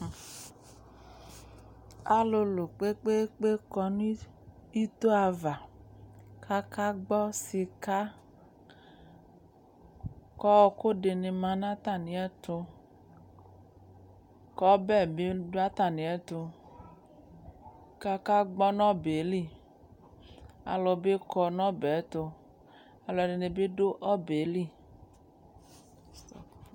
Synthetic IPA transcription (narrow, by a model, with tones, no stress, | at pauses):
a˦lo˧lo˨k͡pe˦k͡pe˦k͡pe˦kɔ˧nũ˦ | i˦t̪o˦a˨va˨ | ka˦ka˦ɡ͡bɔ˦si˧ka˦ | kɔ˦ko˦de˨ne˨mã˨nã˦t̪a˦˨nĩ˨ɛ˦t̪o˧ | kɔ˦bɛ˦˨be˦do˦a˦ta˨nĩ˨ɛ˦to˧ | ka˧ka˦ɡ͡bɔ˦nɔ̃˦be˨˦li˦˨ | a̰˨lɔ˧be˦kɔ˧nɔ̃˦bɛ˨˦to˧ | a˧lɔ˧˨de˧ni˧be˦do˦ʔɔ˦be˨˦li˦˨